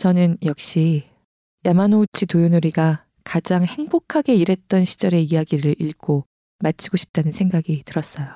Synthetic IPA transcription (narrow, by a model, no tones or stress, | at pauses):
t͡ɕʌnɯnjʌk̚ɕ͈i | jamanout͡ɕʰitojunoɾiɡa | kad͡ʑaŋhe̞ŋbokʰaɡe̞iɾe̞t̚t͈ʌnɕʰi̥d͡ʑʌɾe̞iaɡiɾɯɾiɭɡo | mat͡ɕʰiɡoɕʰi̥p̚t͈anɯnsʰe̞ŋɡaɡitɯɾʌs͈ʌjo